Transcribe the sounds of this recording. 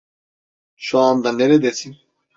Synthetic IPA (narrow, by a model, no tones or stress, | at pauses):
ʃɔand̪anɛɾɛd̪ɛsʰin